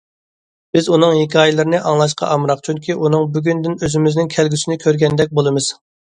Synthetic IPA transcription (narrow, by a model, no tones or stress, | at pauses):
b̥ɪzunɨŋɦikʲʰɑːjɪlˠɨɾɨnɨʔɑŋlˠɑʃ̬qʰɑ̰ʔɑmɾɑqt͡ʃʰyŋkʲiʔunɨŋbyɡʲynd̪ɪnøzɪmɪznɪŋkʲʰɛlɡʲysɪnɪkʲʰøɾɡʲɛnd̪ɛk̚ʲbolˠɨmɨz̥